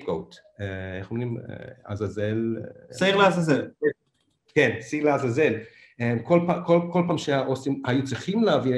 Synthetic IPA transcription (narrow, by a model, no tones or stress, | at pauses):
ɡowt | eeχomnimḛa̰zazelsaiχleazazel | kensaiʁleazazel | emkolpakolkolpaːmʃeaʔosimhajut͡siχimleavi